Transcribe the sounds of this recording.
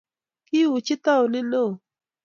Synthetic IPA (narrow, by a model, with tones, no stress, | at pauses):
kɪ˦wʊ˨t͡ʃɪ˦t̪a˦o˨nɪ˦no˦˨